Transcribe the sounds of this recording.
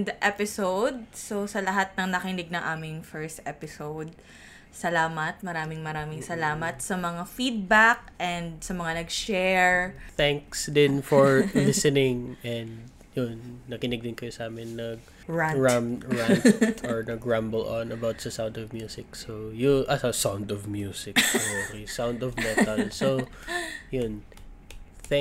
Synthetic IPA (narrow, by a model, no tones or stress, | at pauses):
d̪ɐʔɛpɪsowd̪̚sosɐlɐɦat̪̚nɐŋnɐkɪnɪɡ̚nɐŋʔaːmɪŋfɛɹst̪ɛpɪsowd̪̚ | sɐlaːmɐt̪̚mɐɾaːmɪŋmɐɾaːmɪŋsɐlaːmɐt̪̚sɐmɐŋafid̪̚bak̚ʔɛnd̪̚sɐmɐŋanɐɡʃɛɹt̪ɛŋksd̪ɪnfɔɹlɪsɛnɪŋʔɛnd̪̚ | jʊnːɐkɪnɪɡ̚d̪ɪnkɐjosʔaːmɛnːɐɡ̚ | ɹaɹamɹanɔɹnɐɡɹãmbɛlʔõnɐbawt̪sɐsãwnd̪ɔvmjuːsɪk̚sojoʔɐsɐsawnd̪ɔvmjuːsɪkoɾisawnd̪ɔvmɛnt̪ɐso | jʊn | θ